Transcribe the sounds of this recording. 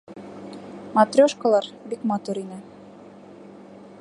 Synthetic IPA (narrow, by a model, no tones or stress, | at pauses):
mat̪rʲoʃkəlˠɑɾbikmɑt̪uɾinɘ